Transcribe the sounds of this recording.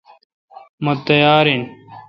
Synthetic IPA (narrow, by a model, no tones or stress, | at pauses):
mot̪ːɐjaːɾin